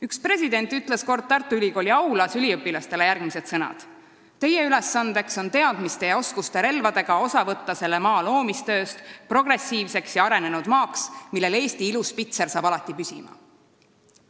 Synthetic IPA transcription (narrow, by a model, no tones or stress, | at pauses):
ykspre̞sʲid̪e̞nt̪ːˑyt̪ˑle̞sko̞rd̪̚t̪ɑrt̪ːˑuylʲiko̞ːlʲiɑwlɑsylʲiɤpːilɑst̪e̞le̞jærɡ̥mise̞d̪̥sɤnɑ̰d̪̥ | t̪ːe̞jeyle̞sːɑnd̪̥e̞kso̞nt̪e̞ɑd̪̥mist̪e̞jɑo̞skust̪e̞ɾe̞lvɑd̪e̞ɡ̥ɑo̞sɑvɤ̞t̪ːɑse̞lːe̞mɑːlo̞ːmist̪ø̞ːst̪pro̞ɡ̥re̞sːiːvse̞ksjɑɑɾe̞ne̞nud̪mɑːksmilːe̞le̞ːst̪iiluspit̪se̞rsɑːbɑlɑt̪ˑːipysʲḭmɑ̰